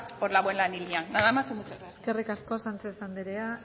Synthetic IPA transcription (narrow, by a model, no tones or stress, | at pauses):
poɾlaβwenlanilianːaðamasimut͡soɾasske̞rikaskosant͡sesand̪eɾea